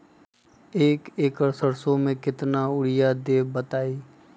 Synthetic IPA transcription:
eːkeːkəɾsəɾsõmẽkɪt̪naʊɽɪjad̪eːbət̪aːiː

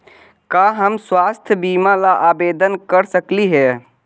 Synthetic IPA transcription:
kaɦəmswast̪ʰjəbimalaʔabed̪ənkəɾsəkliɦɛ

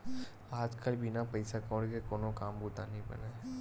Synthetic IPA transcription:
aːd͡ʒkəlbʱɪnapɐɪsakõːɽkekoːnokaːmbut̪anɐɦĩbɐ̰neː

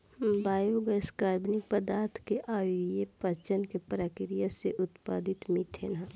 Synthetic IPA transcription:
baːjoːɡəɪskaːɾbnɪk̚pəd̪aːɾt̪ʰkeʔaːʋijepəɾt͡ʃənkepɾaːkɪɾijaseʔʊt̪pa̰ːd̪ɪt̪mit̪ʰenã

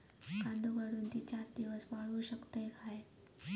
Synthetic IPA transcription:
kãnd̪ʱuɡəɽuːnt̪it͡ɕaɾd̪iʋəsʋaɭuɕəkt̪əjkʰae

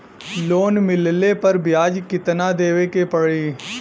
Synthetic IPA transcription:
loːnmɪllepəɾbɪjaːd͡ʒkɪt̪nad̪eːʋekepəɽeː

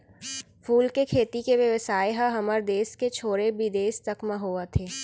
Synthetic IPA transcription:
fuːlkekʰeːt̪ikeʋjəʋəsaːeɦaɦɐməɾd̪eːsket͡ʃʰoːɾebid̪eːst̪ɐkmaɦoat̪ʰeː

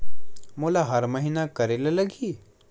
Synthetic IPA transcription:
molaɦɐɾməɦinakɐɾelalɐɡiː

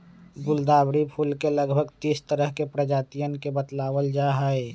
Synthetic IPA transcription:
ɡʊld̪aːbɽipʰulkeləɡbʱəɡt̪iːst̪əɾəɦkepɾəd͡ʒaːt̪ijənkebət̪laːwəld͡ʒaɦəe

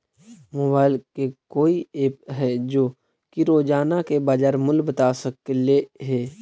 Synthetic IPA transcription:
mobaːɪlkekoːieːpɦɛd͡ʒoː | kiɾoːd͡ʒaːnakebaːd͡ʒaːɾmʊlbət̪aːsəkleɦɛː

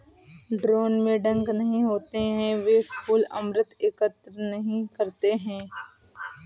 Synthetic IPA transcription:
ɖɾoːnmẽɖɐ̃ŋɡnɐɦĩɦoːt̪eɦɛ̃ʋeːskʰuːlɐ̰mɾət̪ɪkət̪ɾənɐɦĩkɐɾt̪eɦɛ̃ː

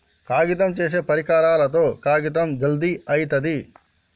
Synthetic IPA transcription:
kaːɡit̪̬ɐmt͡ʃeːs̬eːpɐɾikaːɾaːlɐt̪̬o̞ːkaːɡit̪ɐmd͡ʒɐld̪iɐjt̪ɐd̪i

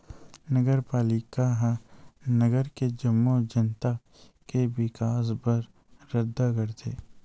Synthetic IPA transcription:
nəɡəɾpaːlɪkaɦãnəɡəɾked͡ʒəmːod͡ʒənt̪a | kewɪkaːs̬bəɾ | ɾəd̪ʱːaɡəɾt̪ʰeː

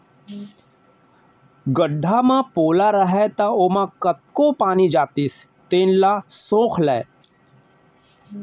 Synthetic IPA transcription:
ɡəɖʱːamãpoːlaɾəɦɛt̪aoːmãkɐt̪̚kopaːnid͡ʒaːt̪ɪs | t̪eːnlasõːkʰlɛː

